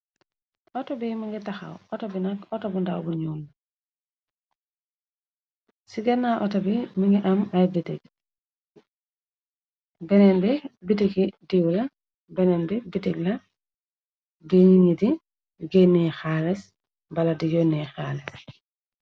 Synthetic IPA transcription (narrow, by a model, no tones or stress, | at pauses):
ʔɔtobimiŋɡitaxa̰wɔtobinakɔtobunda̰wbuɲulː | siɡɛnaʔɔtobimiŋɡiʔamajbitiɡ̚ | bɛnɛnbibitiɡidiwla | bɛnɛnbibitiɡla | biɲiŋidi | ɡenixalɛs | mbaladijonixales